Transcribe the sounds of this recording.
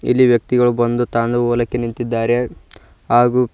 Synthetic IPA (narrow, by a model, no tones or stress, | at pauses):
ḭlːiʋjɐk̚t̪iɡɐɭubɐnd̪ut̪aːnd̪ɐɔːlɐkːenint̪id̪ːaːɾe̞ | ɦaːɡu